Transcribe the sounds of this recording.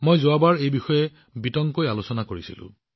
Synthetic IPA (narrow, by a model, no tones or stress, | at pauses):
mojzʊwabaɹejbixɔjɛ | bitɔŋkojalosɔnakoɹisḭlʊ̰̃